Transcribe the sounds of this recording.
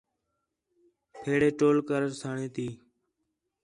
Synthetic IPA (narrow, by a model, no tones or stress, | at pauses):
pʰeːɽeːʈoːlkəɾəɾsʰaːɳeːt̪iː